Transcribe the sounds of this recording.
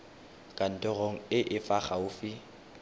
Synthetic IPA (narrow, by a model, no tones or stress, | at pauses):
kʼan̩tʼɔɣoŋ̩ɪʔɪfaχaʊfɪ